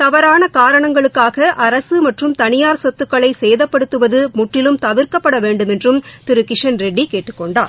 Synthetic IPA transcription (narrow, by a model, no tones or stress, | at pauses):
t̪ɐʋɐɾaːnɐkaːɾɐɳɐŋɡɐɭɯkːaːɣɐʔɐɾɐsɯmɐʈrɯmt̪ɐnɪjaːɾsɔt̪ːɯkːɐɭɐɪsɛjðɐpːɐɽɯt̪ːɯʋɐðɯmʊʈrːɪlɯmt̪ɐʋɪɾkɐpːɐɽɐʋeːɳɖɯmɛndrɯmt̪ɪɾɯkɪʂɐnɾɛɖːikeːʈːɯ̥kːɔɳɖaːɾ